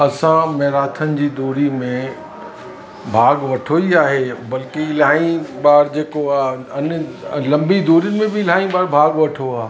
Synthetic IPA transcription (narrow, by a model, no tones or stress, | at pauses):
ɐsãmeɦɾaːt̪ʰənɪ̆d͡ʑiːd̪oːɾimẽ | bʱaːɡʋɐʈʰoiaːɦebɐlkelaːĩbaːɾd͡ʑeːkoaːɐnlɐ̃mbid̪oːɾiənɪ̆mẽbɪlaːĩbaːɾbʱaːɡʋɐʈʰoaːɦ